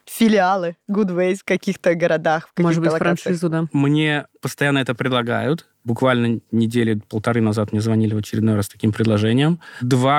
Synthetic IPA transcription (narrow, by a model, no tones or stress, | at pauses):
fʲɪlʲɪalˠɨɡud̪vejfkɐkʲixt̪əɡəɾɐd̪axfkɐmoɨd̪bɨtfɾɐanʂɨzʊd̪amnʲe̞pəst̪ɐjanːəɛt̪əpɾʲɪd̪lˠɐɡa̰jʊt̪ | bʊkvalʲnənʲɪdʲelʲɪpəlˠt̪ɐɾɨnɐzat̪mnʲezvɐnʲilʲɪvət͡ɕɪɾʲɪd̪nojɾast̪ɐ̥kʲimpɾʲɪd̪lˠɐʐɛnʲɪjəmd̪va